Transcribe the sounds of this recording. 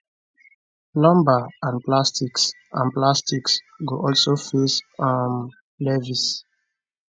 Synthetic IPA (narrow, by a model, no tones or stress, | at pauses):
lɔ̃mbaãnplastiks | ã̰nplastiks | ɡoʔɔlsofesɔ̃m | lɛvis